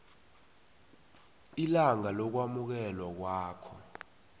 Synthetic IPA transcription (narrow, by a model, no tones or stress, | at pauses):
ilaŋalɔk̬wamuk̬ɛlwak̬waːkʰɔ